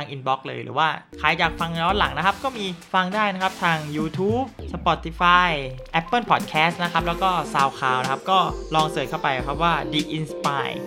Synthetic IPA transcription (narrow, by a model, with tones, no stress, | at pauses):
aː˧ŋʔi˧nbɔː˦˥k̚lɤ̰ː˧jɾɯ̰˩˦waː˥˩kʰaː˨˩jt͡ɕaː˨˩k̚fa˧ŋ˧ɔː˦˥nla̰˩˦ŋna˦˥kʰa˦˥p̚kɔː˥˩miː˧fa˧ŋdaː˥˩jna˦˥kʰa˦˥p̚t̪ʰaː˧ŋjuː˧t̪ʰuː˦˥p̚sa˧pɔ˧t̪ʰi˧faː˧jʔɛ˦˥pːɤː˥˩pʰɔː˨˩t̪̚kʰɛː˦˥st̪̚na˦˥kʰa˦p̚lɛː˦˥wkɔː˥˩saː˧wkʰaː˨˩wna˦˥kʰa˦˥p̚kɔː˥˩lɔː˧ŋsɤː˨˩jkʰa˥˩wpa˧ja˦˩kʰa˦˥p̚waː˥˩diː˧ʔi˧nspa̰ː˧j